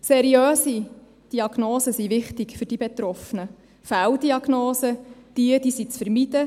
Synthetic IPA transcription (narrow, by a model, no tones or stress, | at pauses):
sɛɾiøːsi | d̥iɑɡnoːsəsiʋɪχtɪkfɵɾd̥ibet̪ɾɔfənə | fæwd̥iɑɡ̥noːsəd̥iəd̥isit͡sfəɾmid̥ə